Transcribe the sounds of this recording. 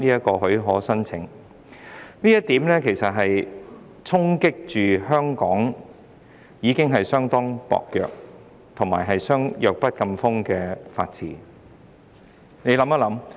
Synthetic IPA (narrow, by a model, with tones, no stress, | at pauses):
niː˥ɐ˥t̚kɔː˧ɦɵ˨˥ɥɦɔː˨˥sɐ˥nt͡sʰɪ̰˨˥ŋ | niː˥jɐ˥t̪iː˨˥mlɛː˥kʰe˨˩jsɐ˨t̚ɦɐ˨j | t͡sʰʊ˥ŋkɪ˥k̚t͡ʃyː˨ɦœː˥ŋkɔː˨˥ŋ | jiː˨˧kɪ˥ŋɦɐ˨jsœː˥ŋt̪ɔː˥ŋpɔ̰ː˨k̚jœ̰ː˨k̚ | t̪ʰʊ˨˩ŋmaː˨˩jɦɐ˨jsœː˥ŋjœː˨k̚pɐ˥t̚kɐ˧mfʊ˥ŋkɛː˧fa̰ː˧t̚t͡sʰiː˨˩ | ne˨˧jlɐ˨˧˥mɐ˥lɐ˨˥m